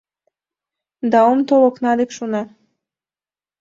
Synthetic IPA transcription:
d̪ɑomt̪oloknɑd̪ekʃunɑ

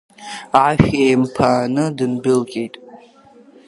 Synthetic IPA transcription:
aːfeːmpʰaːnɨdɨnbɪlkʼejtʼ

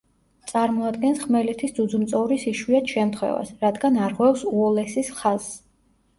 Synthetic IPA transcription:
t̪sʼaɾmɔad̪ɡɛnsχmɛlɛt̪ʰisd̪zud̪zumt̪sʼɔvɾisiʃwiat̪ʰʃɛmt̪ʰχwɛ̰va̰sɾad̪ɡanaɾʁwɛfsuɔlɛsisχaz̥ː

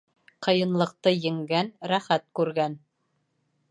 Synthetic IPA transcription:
qɤ̆jɤ̆nlˠɤ̆q̚t̪ɤjɘ̆ŋɡænɾæχæt̪̚kʉɾɡæn

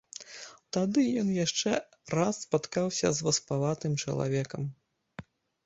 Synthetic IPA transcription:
t̪ad̪ɨjɔnjaʂt͡ʂɛ | rasːpat̪kawsʲɐ̰zvɐspalˠat̪ɨmt͡ʂɐ̰lˠa̰vʲɛkɐm

